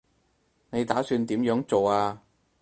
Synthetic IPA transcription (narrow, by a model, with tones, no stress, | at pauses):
ne˨˧jt̪aː˨˥syː˧nt̪iː˨˥mjœː˨˥ŋt͡so˨waː˧